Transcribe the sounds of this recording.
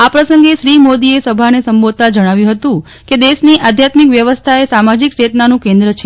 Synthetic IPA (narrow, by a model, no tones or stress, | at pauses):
apɾəsəŋɡeʃɾimod̪iesəbʱanesəmbod̪̚t̪ad͡ʒəɽ̃aʋjũɦət̪ũ | ked̪eʃniʔad̪ʱjat̪mikʋjəʋəst̪ʰaesamad͡ʒikt͡ʃet̪nanũkẽnd̪ɾət͡ʃʰe